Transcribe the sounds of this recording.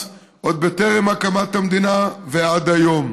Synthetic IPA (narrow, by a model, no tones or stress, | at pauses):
ʔod̪̚bet̪eʁimakamat̪hamd̪inavead̪hajo̞m